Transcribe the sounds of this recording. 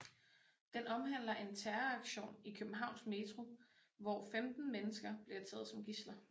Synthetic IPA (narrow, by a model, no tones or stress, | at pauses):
d̥enɒ̽mɦæn̰lɐʔe̝nt͡sʰæɐɐɑɡ̥ɕo̝̰ːnikʰøb̥m̩ɦɑ̈ʊnsme̝t͡sʰʁo̝ʋɒːfemd̥n̩menəsɡ̥ɐb̥liɐt͡sʰɛ̰ːð̞̩ˠsɒ̽mɡ̥islɐ